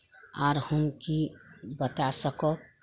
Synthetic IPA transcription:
aːɾhənkibət̪asəkɔ

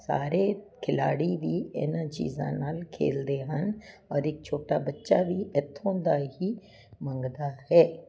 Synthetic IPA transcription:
sa̰ːɾekʰɪlaːɽib̪iːɪ̰nt͡ʃḭːzã̰naːlkʰḛːld̪eɦən | ɔːɾɪk̚t͡ʃʰoːʈabɐtːʃabiʔət̪ʰːõːd̪aːɦiː | mɐ̃ŋɡd̪aːhɛː

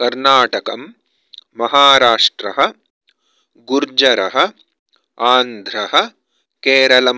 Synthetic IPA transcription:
kɐɾnaːʈɐkɐmː | ɐɦaːɾaːʂʈɾɐɦɐ̆ | ɡuɾd͡ʒɐɾɐɦɐ̆ | aːnd̪ʱɾɐɦɐ̆ | keːɾɐlɐm

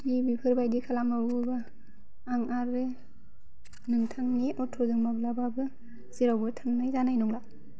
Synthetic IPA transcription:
dibipʰɯɾbajdikʰalamlaɾubaː | ŋaɾɯ | nɯŋtʰaŋniʔɔtʰɔzɯŋmablababɯ | ziɾawbɯtʰaŋnajzanajnɔŋla

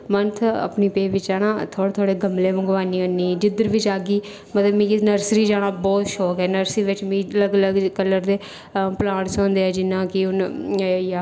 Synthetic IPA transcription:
mənt̪ʰə̰pniːpeːʋɪt͡ʃaːnãːt̪ʰoːɽt̪ʰoːɽeːɡəmleːmə̃ɡʋaːniːonːiːd͡ʒɪd̪əɾʋɪt͡ʃaːɡiː | mət̪ləbmĩːknəɾsɾiːd͡ʒaːɽaːbɔːt̪ʃɔːkɦɛːnəɾsiːʋɪt͡ʃmĩːələɡələɡkəlːəɾd̪eː | plãːʈsõːnd̪eːɛːd͡ʒɪnːãːkɪʊnjaː

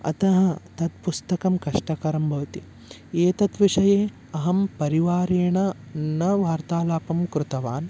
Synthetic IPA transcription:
ɐ̰t̪ɐɦɐ̆t̪ɐt̪̚pust̪ɐkɐmkɐʂʈɐkɐɾɐmbʱɐʋɐt̪i | eːt̪ɐt̪ʋiʂɐjeː | ɐɦɐmpɐɾiʋaːɾeːɳɐ | nɐʋaːɾt̪aːlaːpɐmkɾɪt̪ɐʋaːn

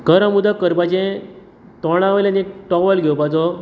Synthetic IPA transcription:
kəɾãmud̪akəɾbad͡ʑẽ | t̪ɔɽ̃ãʋəlanekʈɔʋəlɡʱɛwpad͡zɔ

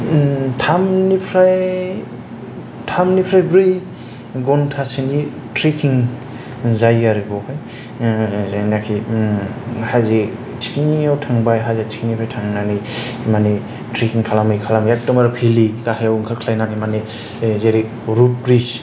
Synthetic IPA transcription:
tʰamnipʰɾaj | tʰamnipʰɾajbɾi | ɡɔntʰasini | tɾikʰiŋ | zajaɾibɔhɔj | zajnakʰi | haze | tʰi̥kiniawtʰaŋbajɦazatʰi̥kinipʰɾajtʰaŋnanimani | tɾikʰiŋkʰalamɯjkʰalamjak̚tɔmaɾpʰilikahajawŋkʰakʰlajnanimani | zeɾik̚ | ɾupɾis

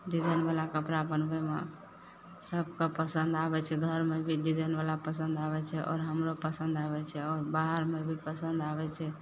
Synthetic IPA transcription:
ɖid͡ʒajnbalakəpɾabənbeme | səb̚ʱkapəsənd̪abɛt͡ʃʰɛɡʱəɾmebʱiɖid͡ʒajnbalapəsə̃nd̪aβɛt͡ʃʰɛʔɔ̰ːɾɦəmɾopəsənd̪aβɛt͡ʃʰɛɔːɾbaɦəɾmebʱipəsə̃nd̪abɛt͡ʃʰɛ

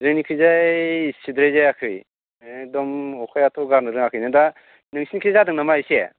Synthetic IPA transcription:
zɯŋnikʰɯzajsidɾajzajakʰɯj | dɔmɔkʰajatʰɔɡaɾnɯɾɯŋakʰɯjnɯda | nɯŋsʰinikʰɯzadɯŋnamajse

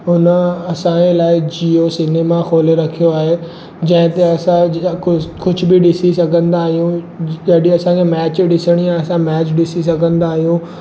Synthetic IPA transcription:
ʊnəɐsãelaːɪd͡ʑiosɪneːmaxʰoːleɾɐkʰijoaːɦe | d͡ʑɐ̃ɦɪ̃t̪eɐsãkʊkʊd͡ʑʱʊbɪɗɪsisɐɡʱə̃nd̪aːɦijũ | ɐɗĩɐsãkʰemɛːt͡ɕɗɪsəɽ̃ijaɐsãmɛːt͡ɕɗɪsis̬ɐɡʱə̃nd̪aːɦijũ

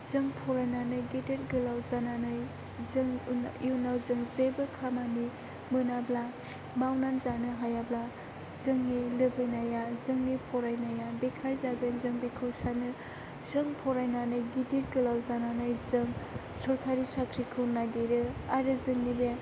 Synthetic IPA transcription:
zɯŋpʰɔɾajnanɯjɡideɾɡɯlawzananɯj | zɯŋjunawzɯŋzebɯkʰamani | mɯnabla | mawnanzanɯɦajabla | zɯŋːilɯbɯjnajazɯŋnipʰɔɾajnajabekʰaɾzaɡɯnzɯŋbekʰɯwsanɯ | zɯŋpʰɔɾajnanɯjɡidiɾɡɯlawzananɯjzɯŋ | sɔɾkʰaɾisakʰɾikʰɯwnaɡeɾɯaɾɯzɯŋːibe

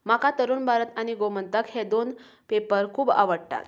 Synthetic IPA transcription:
makat̪əɾuːnbʱaɾət̪añiɡomənt̪əkhed̪on | pepəɾkʰuːba̰ʋəɽʈa̰t̪

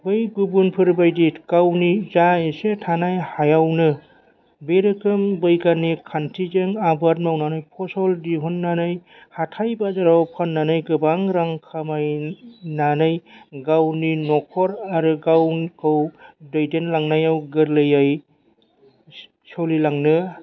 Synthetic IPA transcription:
bɯjɡubunpʰɯɾbajdikawnizaesetʰanajhajawnɯ | beɾɯkɯmbɯjkanikʰantʰizeŋabaɾ̚mawnanɯjpʰɔsɔldiɦunːanɯj | hatʰajbazaɾawpʰanːanɯjɡɯbaŋɾaŋkʰamajnanɯjɡawninɔkʰɔɾaɾɯɡawkʰɯwdɔjdenlaŋnajawɡɯɾlɯjaj | sɔlilaŋnɯ

